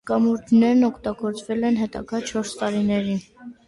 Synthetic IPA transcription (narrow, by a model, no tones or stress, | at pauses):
kɑmuɾd̪nɛɾnɔkʰt̪ɑɡɔɾt͡svɛlɛnɦɛt̪ɑ̰ɡɑt͡ʃʰɔɾst̪ɑɾinɛɾi